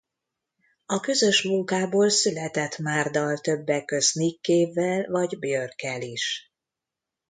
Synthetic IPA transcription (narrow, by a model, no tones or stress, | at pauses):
ɒkø̞zø̞ʃmuŋkaːboːlsylɛt̪ɛt̪maːrd̪ɒlt̪ø̞bːɛkːø̞znikːeːvːɛlvɒɟbjørkɛliʃ